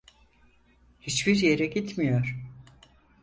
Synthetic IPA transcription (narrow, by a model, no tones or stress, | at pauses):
hit͡ʃbiɾje̞ɾɛɟit̪mijoɾ̥